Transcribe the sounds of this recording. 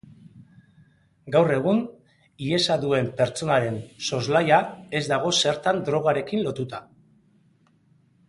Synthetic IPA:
ɡawre̞ɣ̞un | ie̞saðue̞mpe̞ɾt͡so̞naɾe̞nso̞zlajae̞zd̪aɣ̞o̞se̞ɾt̪and̪ɾo̞ɣ̞aɾe̞kinlo̞t̪ut̪a

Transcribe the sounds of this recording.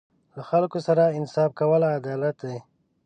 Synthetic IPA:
laxalkosaɾaɪnsɑfkawəlaːd̪ɑlat̪̚d̪e

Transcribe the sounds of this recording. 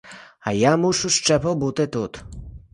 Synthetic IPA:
ajamuʂuʂt͡ʂɛpɔbut̪ɘt̪ut̪

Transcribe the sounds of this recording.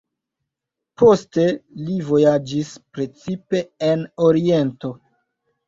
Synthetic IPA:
po̞ste̞livo̞jad͡ʒispɾe̞t͡sipe̞eno̞ɾie̞nto̞

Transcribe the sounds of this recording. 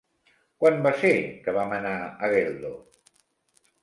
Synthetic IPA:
kwanbasekəβamənaəɣelˠd̪o

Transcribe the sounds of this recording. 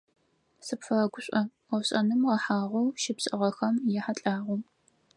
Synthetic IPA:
sɨpfɐɐɡʷʊɕʷʼɐ | ɐwɕʼɐnɨmʁɐħaːʁʷɐwʃɪpsʼɨʁɐxɐmjɛħat͡ɬʼaːʁu

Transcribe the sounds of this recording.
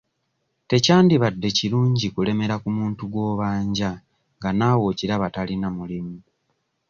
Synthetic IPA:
te̞caːndiβadːe̞ciɾuːɲɟikule̞me̞ɾakumuːntuɡwo̞ːβaːɲɟa | ŋɡanaːwo̞ːciɾaβatalinamulimu

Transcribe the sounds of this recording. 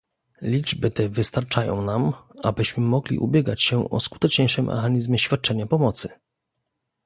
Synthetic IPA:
lʲid͡ʐbɘt̪ɛvɘst̪aɾt͡ʂajɔ̰̃w̃namabɘɕmɘmɔɡlʲḭʔṵbʲjɛɡat͡ɕɕɛʔɔ̰sku̥t̪ɛt͡ʂɲejʂɘmːʔɛ̰xaɲizmʲjɛɕfʲjat̪̚t͡ʂɛɲapɔmɔt̪sɘ

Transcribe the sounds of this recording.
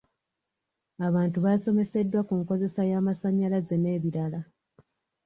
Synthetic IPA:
aβaːntuβaso̞me̞se̞dːwakuŋko̞ze̞sajaːmasaɲːalaze̞ne̞ːβiɾala

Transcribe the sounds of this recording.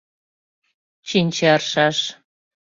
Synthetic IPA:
t͡ɕinʲt͡ɕeɑrʃɑʃ

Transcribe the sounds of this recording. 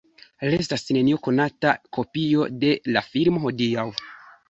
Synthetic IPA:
lestasne̞nio̞ko̞natakʰo̞pio̞de̞lafiɾmo̞ɦo̞diaw

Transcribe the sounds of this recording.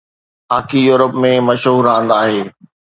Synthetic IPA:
aːkijuːɾəpmẽmɐʃɦuːɾãːn̆d̪aːɦeː

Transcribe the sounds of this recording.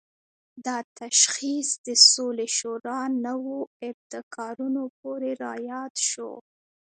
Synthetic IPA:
d̪ɑt̪aʃxisd̪əsoleʃoɾɑnəwoɪft̪ɪkʰɑɾunop̚oɾeɾɑjɑd̪ʃo̰

